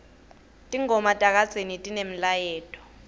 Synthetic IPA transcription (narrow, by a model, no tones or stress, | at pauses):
tʼiŋɔmatʼak̬ḁz̥ʱenitʼinem̩lajɛːtʼɔ̥